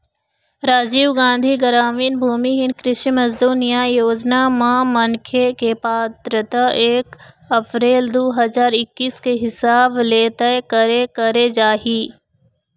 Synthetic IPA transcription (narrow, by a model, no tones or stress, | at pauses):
ɾaːd͡ʒiːʋɡãːnd̪ʱiɡəɾaːmiːnbʱuːmiɦɪnkɾɪʃimɐzd̪uːnijajoːd͡ʒnamãmɐŋkʰekepaːt̪ɾət̪aeːk | ɐpɾeːld̪oːɦɐzaːɾɪkːiːskeɦɪsaːbleːt̪əkɐɾekɐɾed͡ʒaːɦiː